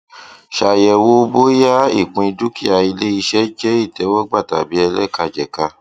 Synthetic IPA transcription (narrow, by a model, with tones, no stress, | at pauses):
ʃa˨jɛ˨wo˦bo˦ja˦ḭ˦˨k͡pũ˧i˧du˦ki˦a˧i˧le˦i˧ʃɛ˦d͡ʒɛ˦i˦˨tɛ˨˦wɔ˦ɡ͡ba˦˨ta˨bi˨˦ɛ˧lɛ̰˦˨ka˧d͡ʒɛ˨ka˧